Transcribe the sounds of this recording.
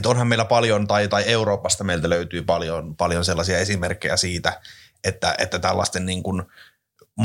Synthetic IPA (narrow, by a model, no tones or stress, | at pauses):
t̪onhɑmmeilːæpɑljont̪ɑit̪ɑieuroːpɑst̪ɑmeilt̪æløyt̪yːpɑljonpɑljonselːɑsiɑesimerkːḛjæ̰siːt̪æ | et̪ːæ̰ʔḛt̪ːæt̪ælːɑ̰st̪enniːŋkun | m